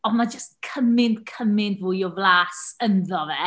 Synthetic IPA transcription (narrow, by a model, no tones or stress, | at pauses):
ɔnmad͡ʒəstkʰəmɪndkʰəmɪndvuːjɔvlˠaːsənðɔvɛ